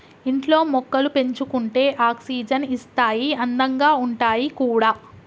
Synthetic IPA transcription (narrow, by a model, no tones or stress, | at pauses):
iɳʈlo̞ːmɔkːɐlupe̞ɲt͡ʃukuɳʈe̞ːʔaːksiːd͡ʒɐnist̪aːjiɐnd̪ɐŋɡaːuɳʈaːjikuːɽaː